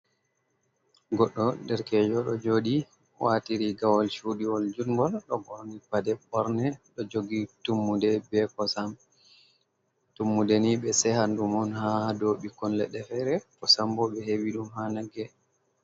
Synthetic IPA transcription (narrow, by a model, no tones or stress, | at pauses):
ɡɔɗːɔdɛɾkɛd͡ʒɔɗɔ̰d͡ʒoːɗi | watiɾiɡawɔlʃuɗiwɔld͡ʒunɡɔlɗɔɡɔɾnipadɛɓɔɾnɛɗɔd͡ʒoɡitumːudɛbɛkɔsam | tumːudɛniɓɛsɛhandumɔnhahdoɓikɔnlɛ̰ɗɛfɛɾɛkɔsambɔɓɛheɓiɗumhanaɡɛ